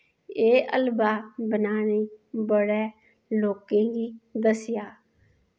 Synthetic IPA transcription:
eːʔəlbaːbənaːneːbəɽɛː | loːkẽːɡiːd̪əsɪjaː

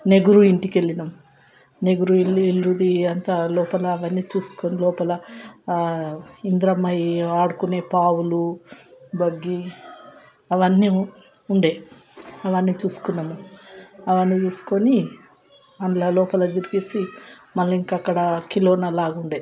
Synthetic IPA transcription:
ne̞ɡuɾuiɳʈike̞lːinɐm | ne̞ɡuɾuilɾud̪iɐnt̪ɐlɔːpɐlɐɐʋɐnːiːt͡ʃuːsu̥konilɔːpɐlɐ | ind̪ɾɐmːɐjaːɽukune̞ːpaːwulu | bɐɡːi | ɐʋɐnːi | uɳɖe | ɐʋɐnːiːt͡ʃuːsu̥kunːɐmu | ɐʋɐnːiːt͡ʃuːsu̥ko̞ni | ɐnlɐlɔːpɐlɐd̪iɾiɡisi | mɐlːiŋkɐkːɐɽɐkiloːnɐlaːɡuɳɖe

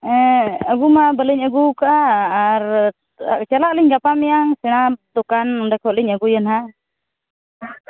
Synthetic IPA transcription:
ɛəɡumabəlɛɲəɡukaʔaːɾ | a̰kt͡ʃalaʔliɲɡapamɛjaŋsɛñat̪ukandɛkɔʔliɲaɡujənha

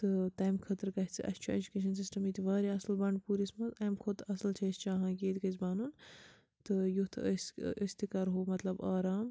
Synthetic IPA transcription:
t̪ɨt̪ɐːjmkʰɐt̪ɾkɐɦt͡sʰʔɐ̰st͡ʃʰued͡ʒukeːʃ̬ɐnsisʈɐmiːt̪ʲiʋaːɾiɐslbɐɳɖpuːɾismɐt̪ɐjmkʰot̪ʰɐslt͡ʃʰɐːst͡ʃaːɦãːkeːt̪ʲkɐt͡sbaːnun | t̪ɨjut̪ʰəsəsʲt̪ikɐɾɦoːmɐt̪lɐbaːɾaːm

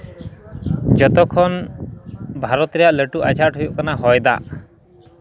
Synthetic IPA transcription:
d͡ʒɔt̪ɔkʰɔn | bʱaɾɔt̪ɾɛjaʔleʈuʔa̰d͡ʒʱaʈɦujbɔkɔnaɦɔjd̪a̰ʔ

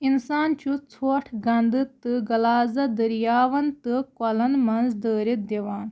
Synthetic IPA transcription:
insaːnt͡ʃut͡sʰoːʈʰɡɐnd̪ɨt̪ːɨɡɐlaːzɐd̪ɐɾjaːʋɐnt̪ɨkɔlɐnmɐnzd̪əːɾit̪̚d̪eʋaːn

